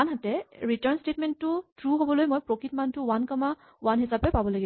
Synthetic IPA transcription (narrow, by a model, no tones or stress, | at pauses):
anɦatɛɹitɔɹnstetmɛntːʊtɹuɦobɔlojmojpɹokʰitmantʊwankɔma | wanɦisapɛpabɔlaɡib